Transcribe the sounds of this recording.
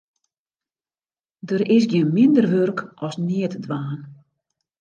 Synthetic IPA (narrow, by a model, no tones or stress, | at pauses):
dəɾɪsɡjiənmɪndərʋørkɔsniətdʋaːn